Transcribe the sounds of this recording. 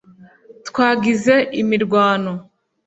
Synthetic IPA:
tkwaːɡize̞ʔimiɾɡwaːno

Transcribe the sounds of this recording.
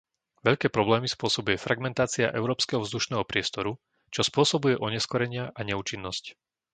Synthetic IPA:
ʋɛʎkɛːpɾɔblɛːmispʊɔsɔbujɛfɾaɡmɛnt̪aːt͡sia̰ʔɛ̰ʊɾɔːpskɛɦɔvzd̪uʃnɛːɦɔpɾɪɛst̪ɔɾu | t͡ʃɔspʊɔsɔbujɛʔɔɲɛskɔɾɛɲɪaʔaɲɛuːt͡ʃinːɔsc

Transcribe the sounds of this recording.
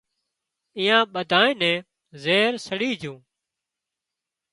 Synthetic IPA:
ĩːjãːɓəd̪ʱaːẽːnɛ̃ː | zeːɾsəɽiːd͡ʒʱũː

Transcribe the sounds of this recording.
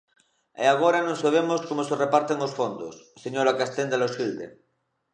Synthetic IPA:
ḛaɣ̞oɾanõŋsaβ̞emoskomoserepaɾt̪eŋosfond̪o̰sːeɲoɾakast̪end̪alosild̪ḛ

